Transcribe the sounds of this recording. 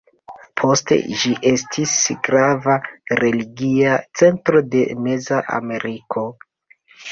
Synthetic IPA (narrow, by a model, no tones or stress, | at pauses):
pʰo̞stḛʒiʔe̞stʰisɡɾavaɾe̞liɡiat͡se̞ntɾo̞de̞me̞zaʔa̰me̞ɾikʰo̞